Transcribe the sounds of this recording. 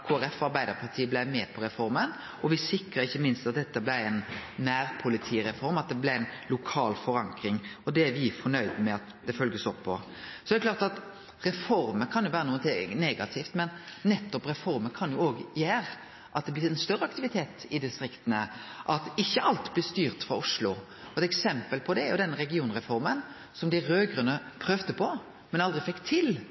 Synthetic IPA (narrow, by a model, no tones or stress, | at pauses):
kʰoːæɾɛfɑɾbæɪd̪əɾpʰɑʁt̪ʰiːəblæɪmɛpʰɔɾɛfɔɾmən | ʔɔʋɪsɪkɾəɾɪçːəmɪnst̪ɑt̪̚d̪ɛt̪ːəblæɛnːæːɾpʰʊlɪt̪ʰiːɾɛfɔɾmɑt̪̚d̪ɛblɪɛnlʊkʰɑːlfɔɾɑŋkɾɪŋɔd̪ɛæɾʋɪfɔnœʏd̪mɛɑt̪d̪ɛfœlɡəsɔpʰːɔ | sɔd̪ɛkʰlɑːɾt̪ɑt̪ | ɾɛfɔɾməkʰɑnjʊʋæːɾənuːət̪ʰɪneːɡɑt̪ʰɪft̪mɛnːɛt̪ːɔpɾɛfɔɾməkʰɑnjʊoːɡjæːɾ | ʔɑt̪̚d̪ɛblɪɾɛnst̪œɾːəɑkt̪ɪʋɪt̪ʰeːt̪ɪd̪ɪst̪ɾɪkt̪ənəʔɑt̪ɪçːəʔɑlt̪blɪst̪yːʁt̪fɾɑʊʂlʊ | ɔɛt̪ɛksɛmpəlpʰɔd̪ɛæɾjʊd̪ɛnːəɾɛɡɪuːnʁɛfɔɾmən | sɔmd̪ɪɾøːɡʁənəpʰɾœʋd̪əpʰɔ | mɛnɑld̪ʁɪfɛkːt̪ʰɪl